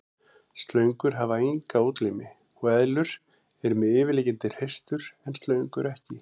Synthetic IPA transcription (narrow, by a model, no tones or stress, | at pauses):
st̪lœɥŋkʏɾ̥ɦavaejŋkaoːt̪lijmɪ | ɔɛðlʏɾ̥ | ɛɾʏmɛðɪːvɪliːcɪnt̪ɪr̥ejst̪ʏɾ̥ɛnst̪lœɥŋkʏɾɛhcɪ